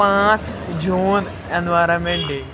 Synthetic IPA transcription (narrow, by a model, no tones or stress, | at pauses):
aːt͡ɕd͡ʑuːn | enːɨʋaːɾeʋeːɳɖi